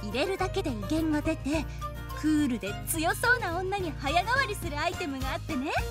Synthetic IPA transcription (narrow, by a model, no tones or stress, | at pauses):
iɾe̞ɾɯ̟d̪ake̞d̪e̞iɡẽ̞ŋɡad̪e̞t̪e̞ | kʰɯ̟ːɾɯ̟d̪e̞t͡sɨjo̞so̞ːnaõ̞nːaɲ̟ihajaɡ̪aβaɾʲisɨɾɯ̟ait̪e̞mɯ̟ɡaːt̪ːe̞ne̞